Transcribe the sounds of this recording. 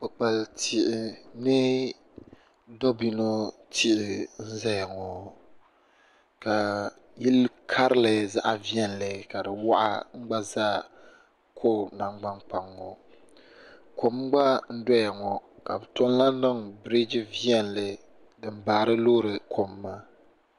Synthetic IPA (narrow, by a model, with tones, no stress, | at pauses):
k͡pɨ˨k͡pa˨ltʰi˨ʔɪ˨nɨ˦ | do˦bi˨no˦ | tʰi˦ʔɪ˨n̩˦za˦ja˨ŋɔ˨ | ka˨ | ji˦lkʰa˦ɾɨ˦la˨za̰˦ʔa˨vi˦ɛ˦n˨lɨ˨ka˨dɨ˨wa˦ʔa̰˦ŋ͡m̩˦ɡ͡ba˦zaː˦ | kʰo˦˨na˨ŋ͡mɡ͡ba˦ŋk͡pa˨ŋːɔ̰˨ | ko˨mɡ͡ba˦n̩˦dɔ˦ja˨ŋɔ˨ka̰˨bɨ˨tɔ˦n˦la˦n˦dɨ˦ŋbɾi˦d͡ʒi˦vi˦ɛ˦nlɨ˨ | dɨ˨m˦baː˨ɾɨ˦lo˦ɾɨ˨kʰo˨mː˦a˦